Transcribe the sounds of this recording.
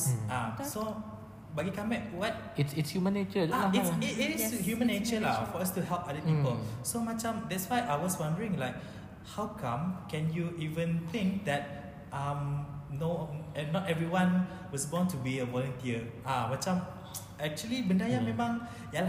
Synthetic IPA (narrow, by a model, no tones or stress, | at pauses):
aso | baɡikãmbɛk̚wat̚ | itsitshjumə̃nːet͡ʃəaiitshjumə̃nːet͡ʃəlafɔastuhɛlˠpadəpipəlsomat͡ʃãmdɛtswajʔajwɔswãndəɹĩŋlaɪk̚ | hawkʰãmkɛ̃njuʔivə̃nt̪ɪ̃ŋk̚d̪ɛt̚ | ʔãmnoɛnːɔtɛvɹiwãn | wɔsɡɔ̃ntubiəvɔlə̃ntiəʔamat͡ʃãm | ɛk̚t͡ʃuəlibə̃ndajãmɛ̃mãŋ | ja